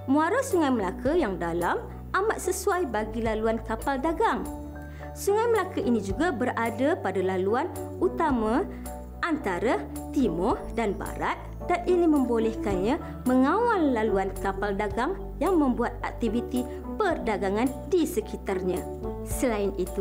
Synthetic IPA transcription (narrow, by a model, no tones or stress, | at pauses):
mũaɾasuŋajməlakajaŋdalam | ʔamaʔ̪səsuajbaɡilaluankapaldaɡaŋ | suŋajməlakaʔinĩd͡ʒuɡabəɾadapadalaluan | ut̪amã | ʔant̪aɾa | t̪imɔhdanba̰ɾat̪̚ | d̥aninimə̃mbolɛhkanɲã | məŋãwalːaluankapaldaɡaŋ | jaŋmə̃mbuat̪̚ak̚t̪ivit̪i | pərdaɡaŋãn | disəkit̪arɲã | səlaɪnit̪u